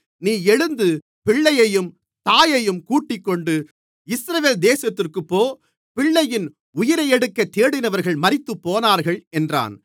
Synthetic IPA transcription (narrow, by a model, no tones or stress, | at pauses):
niːɛɻɯnd̪ɯ | pɪɭːɐjɐjɯm | t̪aːjɐjɯmkuːʈːɪkːɔɳɖɯ | ɪsɾɐʋeːld̪eːsɐt̪ːɪrkɯpːoː | pɪɭːɐjɪn | ʊjɪɾɐjɛɽɯkːɐt̪ːeːɽɪnɐʋɐɾɣɐɭmɐɾɪt̪ːɯpːoːnaːɾɣɐɭɛndra̰ːn